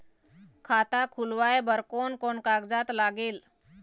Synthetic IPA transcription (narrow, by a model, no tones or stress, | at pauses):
kʰat̪akʰulʋajbəɾkonkonkaɡd͡zat̪laɡel